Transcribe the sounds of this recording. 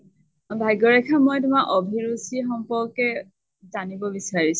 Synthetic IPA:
bʱajɡɔɹɛkʰamɔjtʊmaʔɔbʱiɹusixɔmpɔɹkɛ | zanibɔbisaɹis

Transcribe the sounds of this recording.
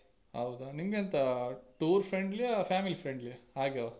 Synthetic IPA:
ɦɐ̰wd̪unimɡent̪ɐʈuːɾpʰɾeɳɖlipʰaːmilifʰɾeɳɖliɦaːɡe

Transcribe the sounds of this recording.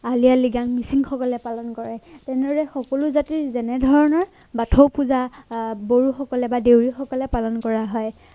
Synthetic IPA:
alijaliɡaŋmisiŋxɔkɔlɛpalɔnkɔɹɛtɛnɛɔɹɛxɔkɔlʊzatizɛnɛdʱɔɹɔnɔɹ | batʰɔwpuzaboɹuxɔkɔlɛbadewɹixɔkɔlɛpalɔnkɔɹaɦɔj

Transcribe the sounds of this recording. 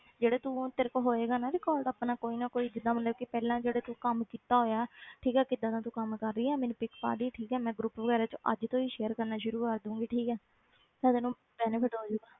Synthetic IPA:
d͡ʒeːɽeːt̪uːt̪ɪɾkɦoːeːɡaːnaːɾeːkɔːld̪aːpnaːkoːiːnaːkoːiːd͡ʒɪd̪ãːmət̪ləbkɪpɛːlãːd͡ʒeːɽeːt̪uːkəmkiːt̪aːɦoːjaɛʈʰiːkɛːkɪd̪ãːt̪ãːt̪uːkəmkəɾːiːɛːmɛːnĩpɪkpa̰ːɾiːʈʰiːkɛːmɛ̃ːɡɾʊpʋəɡɛːɾãːt͡ʃoʔə̰d͡ʒt̪õːiːʃeːəɾkəɾnaːʃʊɾuːkəɾd̪ũːŋɡiːʈʰiːkɛː | t̪ãt̪eːnũː | pɛːnəpʰɪʈɦoːd͡ʒoːɡaː

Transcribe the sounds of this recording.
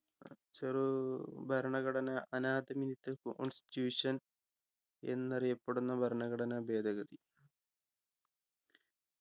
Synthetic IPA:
t͡ɕerubʱɐɾɳɐɣɐɽɐnɐʔɐnaːd̪ɐminit̪ːekooɳsi̥tuːʂɐn | e̞̰nːɐrijɐpːeɽunːɐbʱɐɾɳɐɣɐɽɐnɐbe̞ːd̪ʱɐɣɐd̪i

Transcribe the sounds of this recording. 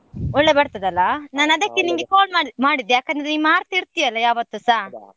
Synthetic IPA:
ɔɭːebɐɽt̪ɐd̪ɐlːɐnaːnɐd̪ɐkːeniŋɡekoːlmamaːɽid̪jaːkɐnd̪ɐɾenimaːɾt̪iɾt̪ijɐlːɐjaːʋɐt̪ːusaː

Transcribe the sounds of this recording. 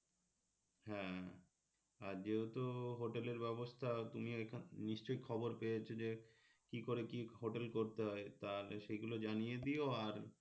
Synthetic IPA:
ɦɛ̃ | aɾd͡ʑeot̪oɦoʈeleɾbɛbost̪ʰat̪umioekʰniʃt͡ɕojkʰɔboɾpejet͡ɕʰod͡ʑe | kikoɾekiɦoʈelkoɾt̪eɦɔet̪aleʃeɡulod͡ʑanijed̪ioaɾ

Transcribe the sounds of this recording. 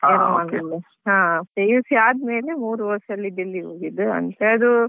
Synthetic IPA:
aɐmaːɡɐlːe | ɦãːpejusiaːd̪me̞ːlemuːɾuʋɐsɐlːid̪ilːiɦoːɡid̪ɨɐ̰nt̪eɐd̪u

